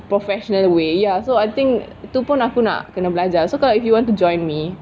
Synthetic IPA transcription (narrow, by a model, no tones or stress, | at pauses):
pɹɔfɛʃɔnəlwejasoajt̪ɪ̃ŋk | t̪upʊ̃nakuna̰ʔkənablad͡ʒasokalaifjuwɔ̃ntud͡ʒɔ̃j̃nmi